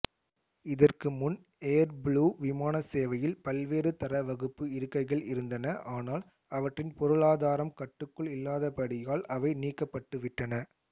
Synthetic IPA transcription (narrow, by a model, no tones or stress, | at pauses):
ɪðɐrkɯmʊn | eːɾbɭuːʋɪmaːnɐseːʋɐjɪlpɐlʋeːɾɯt̪ɐɾɐʋɐɣɯpːɯɪɾɯkːɐɪɣɐɭɪɾɯnd̪ɐnɐʔaːnaːl | ɐʋɐʈrɪnpɔɾɯɭaːðaːɾɐmkɐʈːɯkːɯɭɪlːaːðɐpɐɽɪjaːlʔɐʋɐɪniːkːɐpːɐʈːɯʋɪʈːɐnɐ